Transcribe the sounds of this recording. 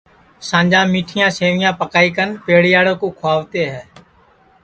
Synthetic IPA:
sãːɲd͡ʒãːmiːʈʰɪjãːseːʋɪjãːpəkaːiːkənpeːɽjaːɽoːkoːkʰʊaːʋt̪eːɦɛː

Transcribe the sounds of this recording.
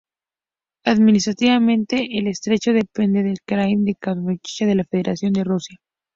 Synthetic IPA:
aðminis̬t̪ɾat̪iβamẽ̞nt̪e̞ʔelest̪ɾe̞t͡ʃo̞ðe̞pe̞nd̪e̞ðelkɾajnd̪ekamot͡ʃit͡ʃaðe̞lafe̞ðeɾʔasjo̞nd̪e̞rusja

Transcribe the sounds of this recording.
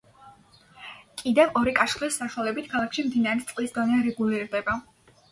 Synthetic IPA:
kʼid̪ɛvɔɾikʼaʃχlisːaʃwalɛbit̪ʰkʰalˠakʰʃimd̪inaɾɛt̪sʼlisd̪ɔniaɾɛɡuliɾd̪ɛba

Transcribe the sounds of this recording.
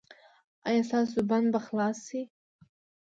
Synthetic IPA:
ajasasubanbaχlasi

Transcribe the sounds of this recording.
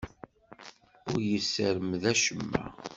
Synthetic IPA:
ʊɾjəsːəɾəmðæʃəmːæ̰

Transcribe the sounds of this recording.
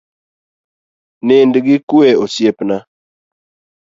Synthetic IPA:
nendiɡikueosjepna

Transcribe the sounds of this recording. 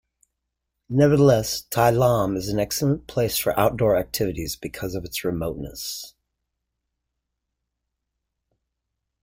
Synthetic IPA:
nɛvə˞ðəlɛstʰaɪlɑ̃mɨzn̩ɛksl̩ˠə̃npʰl̥eɪsfə̰˞ʔaʊt̚d̥ɔɹæk̚tʰɪvɨɾizbɨkʰʌzʌvɨtsɹɨmoʊtⁿnə̰s

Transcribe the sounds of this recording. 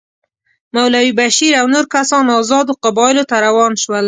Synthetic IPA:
mawlawibaʃiɾawnoɾkasɑnɑzɑd̪oqabɑɪlot̪aɾawɑnʃwəl

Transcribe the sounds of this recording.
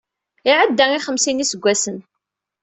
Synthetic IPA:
ɪʕəd̪ːæŋiχəmsinisəɡʷːæsən

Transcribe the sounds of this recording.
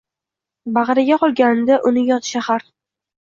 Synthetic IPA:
bɑʁɨɾaɡʲaqʰɒlˠɡʲanɪd̪aʔʊnɪjɒt̪ʰʃahaɾ

